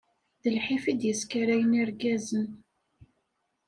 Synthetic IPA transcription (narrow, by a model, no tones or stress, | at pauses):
ðəlħifid̪jəskaɾæjəniɾɡæzən